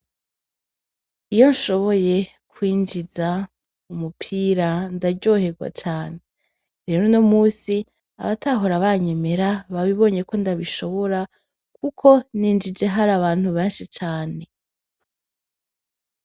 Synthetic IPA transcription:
ijo̞nʃo̞βo̞je̞ | kʰwiːnd͡ʒiza | umupʰiɾandaɟo̞he̞ɡwa̰t͡ʃaːne | ɾe̞ːɾonomuːsi | a̰βataɦoɾaβaɲe̞me̞ɾaβaβiβo̞ːɲe̞ko̞ndaβiʃo̞βo̞ɾa | kʰukʰo̞niːnd͡ʒid͡ʒe̞ɦaɾaβaːn̥huβe̞ːnʃit͡ʃaːne̞

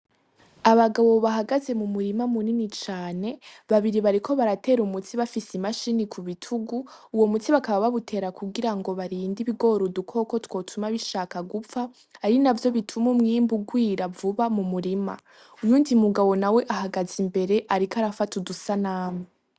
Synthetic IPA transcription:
aβaɡaβo̞βaɦaɡaze̞mumuɾimamuninit͡ʃaːne̞βaβiɾiβaɾikʰo̞βaɾate̞ːɾumutiβafisimaʃinikʰuβitʰuɡuː | wo̞mut͡siβakaβaβaβutʰe̞ɾakʰuɡiɾaŋɡo̞βaɾiːndiβiɡo̞ɾudukʰo̞ko̞two̞ːtʰumaβiʃaːkaɡufaː | ɾinavjo̞βitʰumumŋiːmbuɡwiːɾavuβamumuɾima̰ | ujuːndimuɡaβo̞nawe̞ʔahaɡazimbe̞ɾe̞ʔaɾikaɾafatudusanaːme

